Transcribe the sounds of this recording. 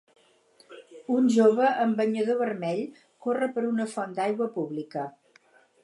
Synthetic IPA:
unʲʒoβəʔəmbəɲəðoβərmɛʎ | korəpəɾunəfɔnd̪ajɣwəpuβlikə

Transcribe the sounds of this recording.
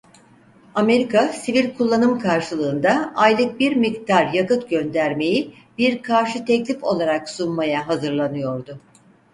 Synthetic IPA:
ame̞ɾikasivilʲkʰulˠːanɯmkʰaɾʃɯlˠɯːnd̪aːjlˠɯk̚biɾmik̚t̪ʰaɾjakɯt̪ɟø̞nd̪æɾme̞ji | biɾkʰaɾʃɯt̪ʰɛclʲifo̞lˠaɾaksunmajaɦazɯɾlˠanɯjo̞ɾd̪ʊ

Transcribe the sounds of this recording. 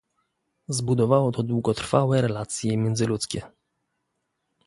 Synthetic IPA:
zbud̪ɔvawɔt̪ɔd̪wuɡɔt̪ɾfawɛɾɛlat̪sʲjɛmʲjɛnd̪zɘlut̪skʲɛ

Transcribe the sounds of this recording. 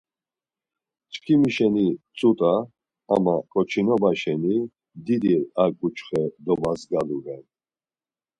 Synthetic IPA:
t͡ʃkʰimiʃɛnit͡sʼut̪ʼa̰ː | makʼɔt͡ʃʰinɔbaʃɛni | d̪id̪iɾakʼut͡ʃʰʼχɛd̪ɔbazɡaluɾɛn

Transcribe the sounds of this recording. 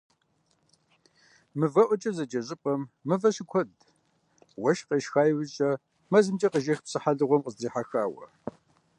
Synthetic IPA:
mɨvɐʔʷɔt͡ʃʼɐzɐd͡ʒʼɐɕʼɪpʼɐmːɨvɐɕɪkʷʰɔd | wɐʃqeʃxaːjwɪɕʼɐ | mɐzɨmt͡ʃʼɐqəʒɐxpsɨħaɮɨʁʷɔmqəzriːħaxaːwɐ̰

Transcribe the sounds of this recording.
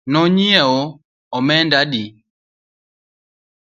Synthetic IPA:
nɔɲiɛɔ | ɔmɛndadi

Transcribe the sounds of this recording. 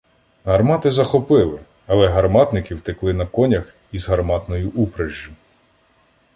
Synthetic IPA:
ɦɐrmɑt̪ɪzɐxɔpɪlˠɪ | ɐlˠɛɦɐrmɑt̪nɪkɪwt̪ɪklˠɪnɐkɔnʲɐx | izɦɐrmɑt̪nɔjiʔupɾeʒːʊ

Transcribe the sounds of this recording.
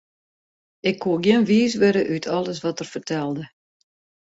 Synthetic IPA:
ɪkʰːuɡjɪnʋiːs̬ʋɪɾəʔytʰɔlˠəsʋɔtərfərtʰɛlˠdə

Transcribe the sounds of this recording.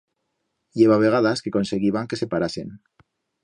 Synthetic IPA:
jeβaβe̞ɣ̞aðaske̞ko̞nse̞ɣiβaŋke̞se̞paɾasen

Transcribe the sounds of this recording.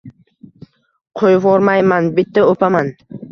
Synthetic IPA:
qʰojvɒɾmajmanbɪt̪ʰːaopʰaman

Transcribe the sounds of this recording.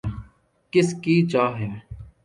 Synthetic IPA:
kɪskiːt͡ʃaːɦɛː

